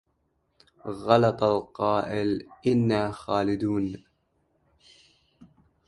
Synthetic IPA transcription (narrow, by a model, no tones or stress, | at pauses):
ɣɑlɑt̪ˤɑlqɑːʔɪlʔɪnːaːxaːlɪd̪uːn